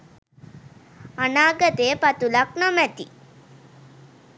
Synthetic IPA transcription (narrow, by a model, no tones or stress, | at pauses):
anaːɡət̪eːpat̪ulaknamɛt̪i